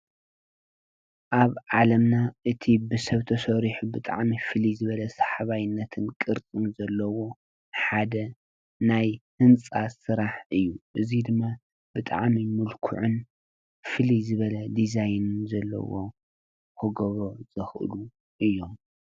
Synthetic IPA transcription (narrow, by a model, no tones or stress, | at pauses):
ʔaβʕalɐmnaʔɨt̪ʰibɨsɐβt̪ʰɐsoɾiħubɨt̪ʼa̰ʕmifɨlizɨβɐlɐsɐ̥ħaβajɪnːɐt̪ʰɨnkʼɨɾt͡sʼɨnzɐlːɐwo̞ | ħad̪ɐ | najhɨnt͡sʼasɨɾaħɨjːuʔɨzid̪ɨmːa | b̥ɨt̪ʼa̰ʕmimulkʰṵʕʊn | fɨlizɨβɐlɐd̪izajnɨnzɐlːɐ̰wo̰ | hɨɡoβo̞z̥ɐxʔɨ̰lu | ʔɨjːo̞m